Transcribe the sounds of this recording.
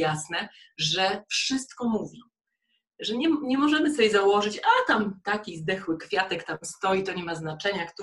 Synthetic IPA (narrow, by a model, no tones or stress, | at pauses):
asnɛ | ʐɛfʂɘst̪kɔmuvʲi | ʐɛɲɛmɲɛmɔʐɛmɘsɔjʲɛzawɔʐɘt͡ɕat̪amt̪akʲizd̪ɛxwɘkfʲjat̪ɛkt̪amst̪ɔjit̪ɔɲɛmaznat͡ʂɛɲakt̪